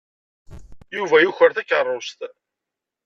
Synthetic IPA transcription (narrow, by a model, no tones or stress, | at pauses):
juvæjuçəɾθækːərˤːost̪